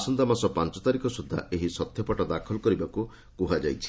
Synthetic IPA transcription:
sɔnd̪amasɔpant͡ʃɔt̪aɾikɔsud̪ʱːa̰ʔeɦisɔt̪ʰjɔpɔʈɔd̪akʰɔlɔkɔɾibaku | kuɦad͡ʒajt͡ʃʰi̥

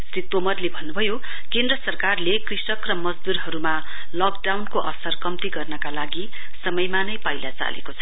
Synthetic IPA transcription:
srit̪omʌrlebʱʌnːubʱʌjo | kend̪rʌsʌrkarlekrisʌkrʌmʌd͡zd̪uɾɦʌɾuma | lʌk̚ɖawnkoʔʌ̰sʌrkʌmt̪iɡʌrnʌkalaɡi | sʌmʌjmanʌjpajlat͡sa̰lḛkot͡sʰʌ

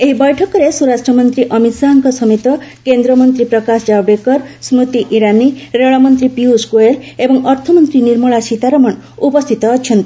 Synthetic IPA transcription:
eɦibɔjʈʰɔkɔɾesuɾasʈɾɔmɔnt̪ɾiʔɔmit̪saɦɔŋkɔsɔmit̪ɔkend̪ɾɔmɔnt̪ɾipɾɔkasd͡ʒabɖekɔɾsmut̪iʔiɾaniɾeɭɔmɔnt̪ɾipiuskuelebɔŋɔɾt̪ʰɔmɔnt̪ɾiniɾmɔɭasit̪aɾɔmɔnupɔst̪ʰit̪ɔːt͡ʃʰɔnt̪i

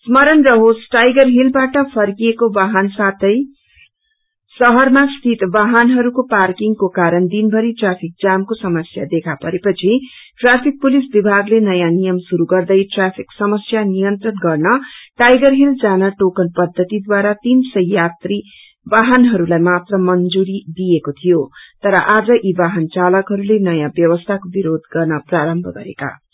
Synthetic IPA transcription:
smʌɾʌnrʌɦosʈajɡʌrɦilbaʈʌpʰʌrkijekobaɦansat̪ʌj | sʌɦʌrmast̪ʰit̪baɦanɦʌɾukoparkiŋɡkokaɾʌnd̪inbʱʌɾiʈrapʰik̚d͡zamkosʌmʌsja̰d̪ekʰapʌɾepʌt͡sʰi | ʈrapʰik̚pulisbibʱaɡlenʌjanijʌmsuɾuɡʌrd̪ʌjʈrapʰiksʌmʌsjanijʌnt̪rʌnɡʌrnʌʈajɡʌrɦild͡zanʌʈokʌnpʌd̪ʱːʌt̪id̪waɾat̪insʌjːat̪ri | baɦʌnɦʌɾulajmat̪rʌmʌnd͡zuɾid̪ijekot̪ʰijot̪ʌɾʌʔad͡zʌʔibaɦʌnt͡salʌkɦʌɾulenʌjãbjʌwʌst̪ʰakobiɾod̪̚ɡʌrnʌpraɾʌmbʱʌɡʌ̰ɾḛka̰

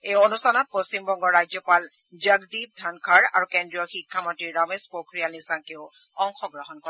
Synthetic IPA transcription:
ejonustʰanɔt̚post͡ɕimbɔŋɡɔɹajzɔpal | zəɡdib̚dʱankʰaɹa̰ɹukendɹijɔxikʰːamɔntiɹːɔmespokɹijalnisaŋkeʊ | ɔŋxɔɡɹaɦɔnkɔɛ

